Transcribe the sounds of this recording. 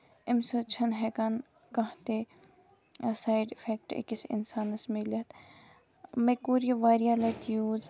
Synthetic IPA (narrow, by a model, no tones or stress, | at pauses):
ɪmsot͡ʃʰɐnɦekan | kɐɦt̪e | saːjɖɪfʰeːk̚ʈḛkisɪ̰nsaːnɐsmilɐt̪ | mekuːɾijɐʋaːɾijaːlɐt̪ijuːz